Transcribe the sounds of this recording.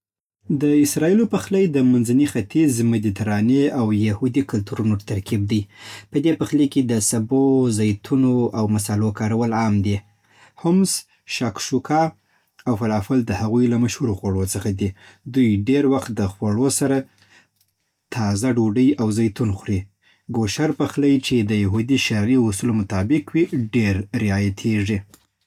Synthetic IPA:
d̪əɪsɾɑilopəxləjd̪əmanzanixat̪izmɪd̪it̪aɾɑneawjahud̪ikʊlt̪uɾunot̪aɾkib̚d̪əjpəd̪epəxleked̪əsabozajt̪ʰunoʔawmasɑlokɑɾawəlɑmd̪i | hʊms | ʃɑkʃukʰɑ | awfalɑfʊld̪əhaɣujlamaʃhuɾoxwaɽot͡səxad̪id̪ujɖeɾwaxt̪̚d̪əxwaɽosaɾa | t̪ʰɑzaɖoɖəjawzajt̪unxɾi | ɡoʃaɾpəxləjt͡ʃed̪əjaɦud̪iʃaɾiʊsulomʊt̪ɑbɪkwiɖeɾɾɪɑjat̪ʰiʐi

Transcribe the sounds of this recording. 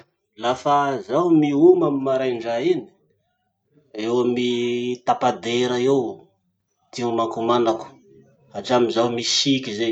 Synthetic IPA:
lafazawmiumamimːaɾajɳɖ͡ʐaini̥ | ewamit̪apad̪eɾaew | t̪iumakumanaku̥ | aʈ͡ʂamizawmisikʲize

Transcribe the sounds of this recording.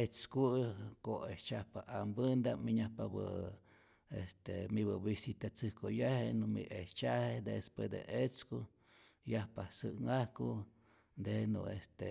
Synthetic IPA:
et͡skukoeht͡ʃahpaʔambɨnd̪amiɲahpabɨ | est̪emiβɨbisit̪at͡sɨhkojahenumḭʔeht͡ʃahed̪espwesd̪ḛʔet͡sku | jahpahsɨŋahku | d̪enṵest̪e

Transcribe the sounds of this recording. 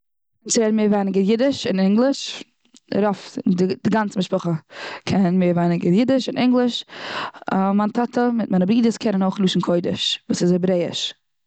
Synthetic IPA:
ɪnt͡sɪɾɛdnmeːɾvaɪnɪɡəɾjɪdɪʃɪnɛŋɡlˠɪʃ | ɾɔfdɪd̥ɪɡant͡səmɪʃpʊχəkʰɛnnmeːɾvaɪnɪnɡəɾjɪdɪʃɪnʔɪŋɡlˠɪʃ | mantʰatəmɪt̚maɪnəbɾiːdəskʰɛnənoʊχluːʃn̩kʰoɪdɪʃvuːsɪshɛbɾeɪɪ̰ʃ

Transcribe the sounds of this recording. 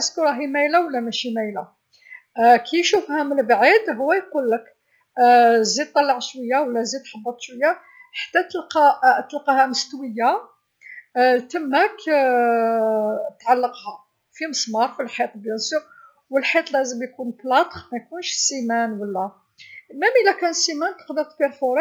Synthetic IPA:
skuɾˤɑɦimæjlawəlːæmæʃimæjla | kʰijʃufhæməlbʕid̪ɦʊwːæjqulːək | zid̪̚t̪ˤːɑlːɑʕʃwəjːawəlːæzid̪̚ħɑbːɑt̪ˤʃwəjːa | ħḁt̪ːæt̪əlqɑt̪əlqɑhæməst̪wəjːa | t̪əmhæk | t̪ʕalːəqhæ | fiməsmɑɾˤfilħit̪ˤbjæsu | wəlħit̪ˤlæzəmjkunblɑt̪ˤxmæjkunʃsimænwəlːæ | mæmʔəlːækænsimænt̪ə̥qd̪əɾt̪peɾfoɾ

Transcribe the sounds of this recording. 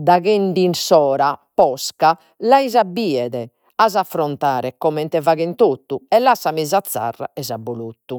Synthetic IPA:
d̪aɣeɳɖinsɔːɾapɔska | laizabiːɛðɛ | azafːɾɔnt̪aːɾɛkɔmɛnt̪ɛvaɣent̪ot̪ːuɛlːasːamizat̪sːa̰rːa̰ɛzabːolut̪ːu

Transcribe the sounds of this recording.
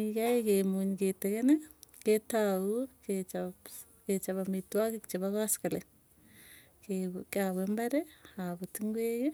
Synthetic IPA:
ikaikemuɲiketeɣeneketauket͡ʃa | ket͡ʃaβamitwakekt͡ʃeβaɣasi̥kale | kekaβembaɾeaβotiŋɡweje

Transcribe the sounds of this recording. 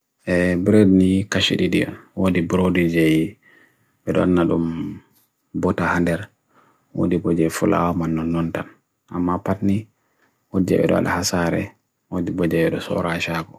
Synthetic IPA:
ʔɛbiɾedinikaʃiɗiɗḭa̰wodibɾodid͡ʒeji | ɓɛɗɔanːaɗum | bɔtahandɛɾ | wo̰dibɔd͡ʒɛfula̰wamanːɔnːɔntan | ʔamːapatni | wod͡ʒɛ̰ɓɛ̰ɗɔ̰a̰ɗa̰hasaɾɛ̰ | wodibɔd͡ʒɛɓɛɗɔsɔ̰ɾaʃaɡɔ

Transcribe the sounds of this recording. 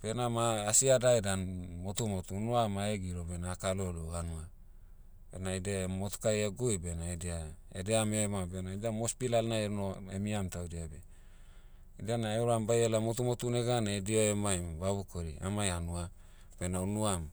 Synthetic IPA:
b̥enamaːsiadaedanmot̪umot̪unuamaeɡiɾobenaːkaloluhanua | benaidemot̪u̥kajeɡujbenaedia | edeamemabenaidamospilalnaeɾnoemiamtawdiabe | idanaeuɾambajelamot̪umot̪uneɡanedioemajmbaβukoɾia̰majanua | benaunuam

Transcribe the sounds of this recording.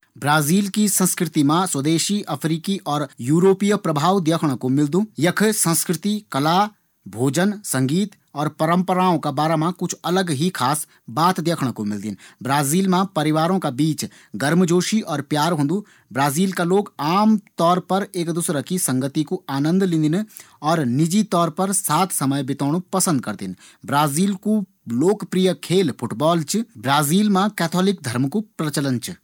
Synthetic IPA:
bɾaːziːlkisə̃nskɾɪt̪imãswɐd̪eːʃiʔɐpʰɾiːkiʔɔːɾjuːɾoːpijpɾɐbʱaːwd̪jəːkʰɽ̃komɪld̪ũːjɐkʰsə̃nskɾɪt̪ikɐlaː | bʱoːd͡ʒənsɐ̃ŋɡiːt̪ | ɔːɾpɐɾə̃mpəɾaːõkabaːɾamãkʊt͡ʃʰɐləɡɦikʰaːs | baːt̪d̪jəːkʰɽ̃komɪld̪ɪ̰nbɾaːziːlmãpɐɾɪʋaːɾõkabiːt͡ʃ | ɡɐɾmd͡ʒoːʃiʔɔːɾpjaːɾɦõːnd̪u | bɾaːziːlkaloːɡaːmt̪ɔːɾpɐɾeːkd̪uːsɾakisɐ̃ŋɡət̪ikoaːnə̃nd̪lɪ̃nd̪ɪn | ɔːɾnɪd͡ʒit̪ɔːɾpɐɾsaːt̪ʰsɐməjbɪt̪aːɽ̃upɐsə̃nd̪̚kɐɾt̪ɪn | bɾaːziːlko | loːkpɾijəkʰeːlpʰʊʈbɔːlt͡ʃbɾaːziːlmãkɛːt̪ʰɔːlɪk̚d̪ʱɐɾmkupɾət͡ʃələnt͡ʃ

